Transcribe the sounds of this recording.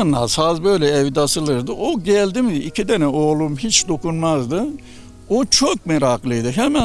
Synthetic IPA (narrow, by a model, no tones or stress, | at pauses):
nːasazbø̞jlʲɛɛvd̪asɯlˠɯɾd̪ɯʔoɟɛlʲd̪imd̪iicʰid̪ɛnɛoːlˠumɦit͡ʃd̪o̞kunmazd̪ɯ | ot͡ʃʰok̚mɛɾaklˠɯjd̪ɯɦɛmæ